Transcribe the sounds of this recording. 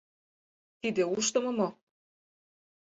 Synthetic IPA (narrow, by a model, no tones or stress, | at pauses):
t̪id̪euʃt̪ɤ̆mɤ̆mo